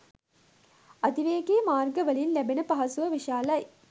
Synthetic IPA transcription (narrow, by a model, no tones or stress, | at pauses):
ɐd̪iʋeːɡeːmaːrɡəʋəlinlæbenəpɐɦɐsuʋəʋiʃaːlɐj